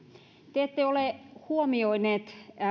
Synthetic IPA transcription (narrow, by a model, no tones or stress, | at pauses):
t̪eet̪ːeoleˑhuomioineːt̪